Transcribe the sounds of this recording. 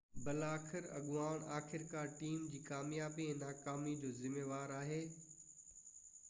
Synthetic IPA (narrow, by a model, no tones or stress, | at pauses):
bɐlaːxʰɪɾɐ̰ɠʊʋaːɽ̃aːxʰɪɾkaːɾʈiːmd͡ʑiːkaːmjaːbiẽnaːkaːmid͡ʑoːzɪmeːʋaːɾaːɦeː